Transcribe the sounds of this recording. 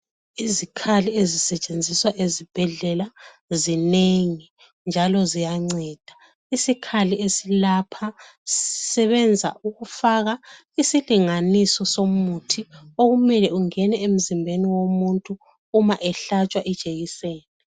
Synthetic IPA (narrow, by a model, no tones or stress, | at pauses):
izikʰaliezisɛt͡ʃʼend͡zʱiswaʔezib̥ʱɛɮɛla | zineŋi | nd͡ʒʱalɔzijaŋ͡ǀɛːd̥ʱa | isikʰaliesilapʰa | sisɛβɛnd͡zʱa̰uɣufaɣa | isiliŋanisɔsomutʰioɣumɛlɛuŋɛnɛem̩zimbʱeniwomuntʼuː | maʔɛɬat͡ʃʼwaʔid̥ʒ̥ʱejiseːni